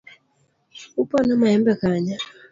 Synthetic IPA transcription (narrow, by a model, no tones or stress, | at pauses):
upɔnɔmaɛmbɛkaɲa